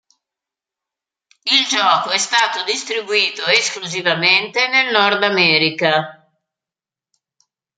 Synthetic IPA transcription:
ild͡ʒɔːkoɛst̪aːt̪od̪ist̪ɾibuiːt̪oeskluzivament̪enelnɔrd̪amɛːɾika

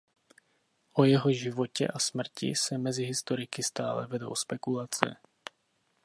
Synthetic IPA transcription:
ʔojɛɦoʒivocɛ̰ʔasmr̩cḭsɛmɛziɦist̪oɾɪkɪst̪aːlɛ̰vɛdowspɛkulat͡sɛ̰

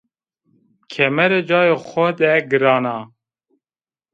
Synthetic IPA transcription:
kʲʰɛmɛɾɛd͡ʒɑːjexʷɔd̪ɛɡɨɾɑːnɑ

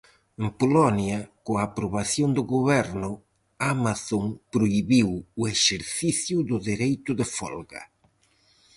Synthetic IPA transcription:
empolɔnjɐkoaːpɾoβaθjond̪ʊɣoβɛɾnʊ | amaθoŋpɾoiβiwʊeʃeɾθiθjʊðʊðiɾejt̪ʊðɪfɔ̰lɣɐ̰

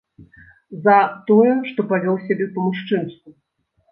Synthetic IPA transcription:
zɐt̪ɔjɛʂt̪ɔpavʲɔwsʲabʲɛpɐmuʂt͡ʂɨmsk̪u

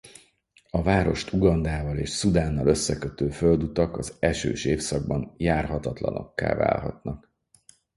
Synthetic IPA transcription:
ɒvaːɾo̞ʃt̪uɡɒnd̪aːvɒleːʃsud̪aːnːɒlø̞sːɛkøt̪øːføld̪ut̪ɒkɒzɛʃø̰ːʃeːfsɒɡ̚bɒnjaːrɦɒt̪ɒt̪lɒ̰no̞kːa̰ːva̰ːlɦɒ̰t̪nɒk

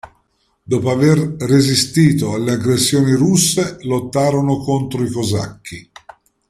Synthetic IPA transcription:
d̪ɔːpoaverːezist̪iːt̪oalːeaɡɾesːjoːniɾusːelot̪ːaːɾonokont̪ɾoikoza̰kʰːi

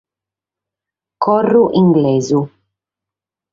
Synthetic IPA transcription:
kɔrːuʔiŋɡlɛːzu

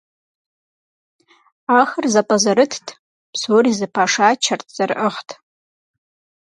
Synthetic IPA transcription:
axərzapʼazaɾɨtʰtʰʼ | pʰsorizɨpʰaʂat͡ʃʰartʰʼz̥arʔəχtʰʼ

